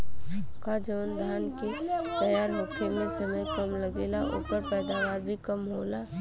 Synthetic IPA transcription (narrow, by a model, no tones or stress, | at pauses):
kad͡ʒəːnd̪ʱaːnkit̪əjaːɾlʊkʰemẽsəməjkəmləɡeːlaʔo̰ːpəɾpɛːd̪aʋaːɾbʱikəmɦoːla